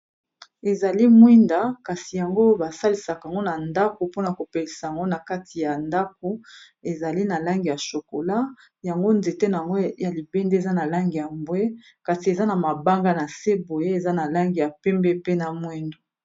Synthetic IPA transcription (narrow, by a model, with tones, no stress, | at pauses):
e˨za˨li˦mwi˦nda˨ka˨si˨ja˨ŋɡo˦ba˨sa˦li˨sa˨ka˨a˨ŋɡo˦na˨nda˦ko˨po˦na˨ko˨pe˨li˨sa˨ja˨ŋɡo˦na˨ka˦tʰi˨ja˨nda˦k̚o˨˦ | e˨za˨li˦na˨la˦ŋɡi˨ja˨ʃo˨ko˨la˦ | ja˨ŋɡo˦nze˨te˦na˨ŋɡo˦ja˨li˨be˦nde˦e˨za˦na˨la˦ŋɡi˨ja˨mbwe˦ | ka˨si˨e˨za˦na˨ma˨ba˦ŋɡa˦na˨se˦bo˨je˦e˨za˦na˨la˦ŋɡi˨ja˨pɛ˦mbɛ˦pe˦na˨mwi˦ndo˨